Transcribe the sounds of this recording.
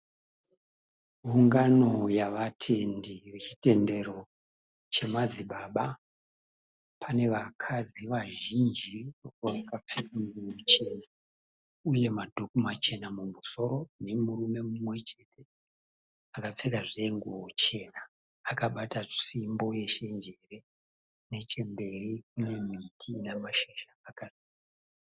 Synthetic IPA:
ɦuŋɡano̞jaʋatʰe̞ndiret͡ʃi̥te̞nde̞ro̞ | t͡ʃe̞mad͡ziɓaɓa | pʰane̞ʋakʰad͡ziʋaʒind͡ʒiooakap͡fekaŋɡuwot͡ʃe̞na | uje̞madʱukumat͡ʃe̞namumuso̞ɾo̞ne̞muɾume̞mumwe̞t͡ʃe̞tʰe̞ | akap͡fekaʐeŋɡuwot͡ʃe̞naː | kaɓataʂimbo̞je̞ʃe̞nd͡ʒere̞ | ne̞t͡ʃe̞mbe̞rik̚une̞mitʰinamaʃeʃaːkaziː | a

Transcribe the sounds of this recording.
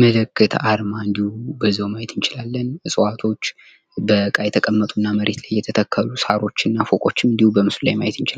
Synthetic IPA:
mələkːɨt̪ʰʔaɾmaɨnd̪ihubəzːihomajɛt̪ʰɨnt͡ʃɪlalːənɨsʼəwat̪ʰo̞t͡ʃː | bəkʼajɛt̪ʰəkʼəmːət̪ʼunːaməɾe̞t̪lajːɛt̪ʰət̪ʰəkʰːəlusaɾo̞t͡ʃːɪnːafokʼo̞t͡ʃːɪmɨnd̪ihubəmɨslulajmajɛt̪ɨnt͡ʃɪla

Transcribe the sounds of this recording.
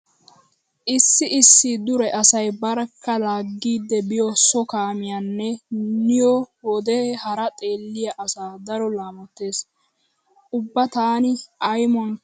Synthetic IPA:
ʔɪsːɪʔɪsːɪd̪ʊɾɛʔɐsɐjbɐɾkːɐlaːɡːiːd̪ːɛbɪjɔsɔkaːmɪjanːɛnɪjɔwɔd̪ɛhɐɾɐt̪ʼe̞ːlːɪjɐʔɐsaːd̪ɐɾɔlaːmɐt̪ːe̞ːs | ʊbːɐt̪aːnɪɐjmɔn

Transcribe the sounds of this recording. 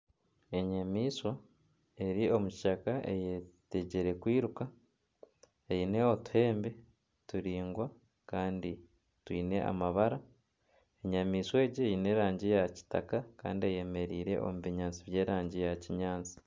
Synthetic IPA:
e̞ɲamiːswa | e̞ɾio̞mui̥ʃakaʔe̞̰jete̞ɟeɾe̞kwiːɾuka | eine̞otu̥he̞ːmbe | tuɾiːŋɡwa | kaːndi | twiːne̞a̰maβaɾa | e̞ɲamiːswe̞ːɟiine̞ɾaːɲɟijaci̥ta̰kaka̰ːndieje̞me̞ɾiːɾe̞̰ʔo̞̰muβiɲaːnt͡siβje̞ːɾaːɲɟijaciɲaːnt͡si̥

